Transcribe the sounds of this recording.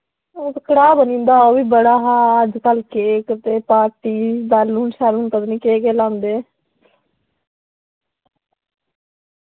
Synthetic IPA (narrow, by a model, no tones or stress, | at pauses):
ot̪kəɽaːbənĩːnd̪aːoːʋiːbəɽaːɦaːəd͡ʒkəlkeːkət̪eːpaːɾʈiːd̪alunʃaɾunkəd̪oniːkeːkeːlãːnd̪eː